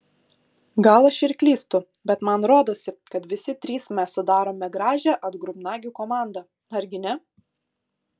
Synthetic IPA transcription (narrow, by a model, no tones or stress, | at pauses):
ɡɐlˠɐʃɪɾʲkʲlʲiːst̪ʊ | bʲɛt̪mɐnɾoːd̪oːsʲɪkɐt̪ʋʲɪsʲɪt̪ʲɾʲiːsmʲæssʊd̪ɑːɾoːmʲɛɡɾɑːʒʲæʔɐd̪ɡɾʊmnɑːɡʲuːkoːmɑˑnd̪ɐ | ɐɾʲɡʲɪnʲɛ